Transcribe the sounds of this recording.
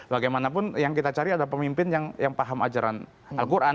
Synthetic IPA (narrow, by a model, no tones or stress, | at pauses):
baɡajmanap̬ʊnjaŋkit̪at͡ʃaɾiadalapəmimpɪnjaŋjaŋpaɦama̰d͡ʒaɾa̰n | alkuɾʔa